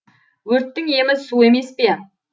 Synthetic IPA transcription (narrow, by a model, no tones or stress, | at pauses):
wɵɾt̪ːɪŋe̞mɪzsue̞me̞spe̞